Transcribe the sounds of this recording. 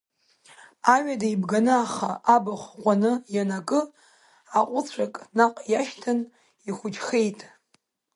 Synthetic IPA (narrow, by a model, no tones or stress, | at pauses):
aɥᶣadaibɡanɨaχaʔabɨχʷqʷʼanɨjanakʼɨ | aqʷʼʊt͡sʷʰakʼnaqʼjaʃtʰɨn | iχʷʊd͡ʒχe̞jtʼ